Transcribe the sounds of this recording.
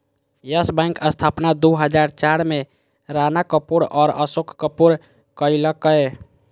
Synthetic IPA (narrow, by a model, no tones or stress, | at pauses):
jəsbə̃ŋkəst̪ʰapnad̪uɦəd͡ʒaɾt͡ʃaɾme | ɾanakəpuɾɔːɾəsokkəpuɾ | kəiləkəj